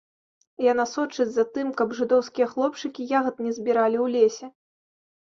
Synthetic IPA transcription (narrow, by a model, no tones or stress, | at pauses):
janasɔt͡ʂɨd͡zʲzɐt̪ɨmkɐbʐɨd̪ɔwskʲijɐxlˠɔp̚t͡ʂɨkʲijaɣɐt̪nʲɛzʲbʲiɾalʲiwlʲesʲɛ